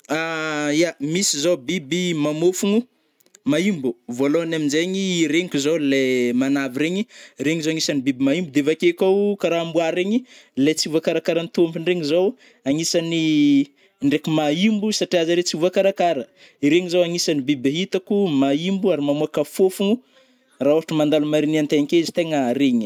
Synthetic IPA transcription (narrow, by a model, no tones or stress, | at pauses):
ajamisizobibimamofuŋu | maimbuvoloanaminzeɲiːɾeŋikʲuzowlemanaviɾeɲiɾeŋizowaŋisanibibimaimbud̪evakekawkaɾaambuaɾeɲilet͡siuvakaɾakaɾant̪umpiɳɖ͡ʐeŋizow | aŋisani | ɳɖ͡ʐekimaimbusaʈ͡ʂiazaɾet͡siuvakaɾakaɾə | iɾeŋizowaŋisanibibaɦit̪akumaimbuaɾimamuakafofuŋu | raoaʈ͡ʂumand̪alumaɾiniant̪eɲikeizi̥t̪eŋəɾeɲi